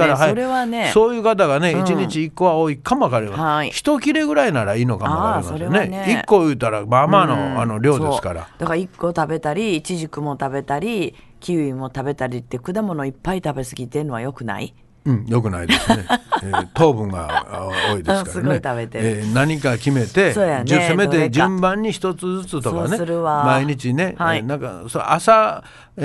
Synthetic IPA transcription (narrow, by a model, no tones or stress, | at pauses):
aɾaɦajoɾe̞βane̞so̞ːjɯ̟ːkat̪̬aɡane̞it͡ɕiɲit͡ɕiːkːo̞βaoːikʰamoakaɾemahaiçi̥t̪o̞kʲiɾe̞ɡɯ̟ɾainaɾaiːno̞kammakaɾmasoɾeneneikːo̞jɯ̟ːt̪aɾamamano̞ano̞ɾʲo̞ːd̪oesɨ̥kaɾa̰d̪akaɾaikːo̞t̪abe̞t̪aɾʲiːt͡ɕiʑikɯ̟mo̞t̪abe̞t̪aɾʲi | kʲiɯ̟imo̞t̪abe̞t̪aɾʲit̪ːe̞kɯ̟d̪amo̞no̞ipːait̪abe̞sɨɡʲit̪e̞ɯnoajo̞kɯ̟na̰ḭ | ɯ̃jo̞k̬ɯ̟na̰id̪seet̪o̞ːbɯ̟̃ŋɡa̰oːid̪ẽskasɾɨɡonet̪aβe̞t̪eenaɲ̟ikakʲime̞t̪e̞soːjanɨesemet̪ed͡ʑɨ̃mbãɲ̟ːiçi̥t̪o̞t͡sɨd͡zɨt͡sɨt̪ookanesɨɾɯβamaiɲ̟it͡ɕine̞hainãŋkasoʔasa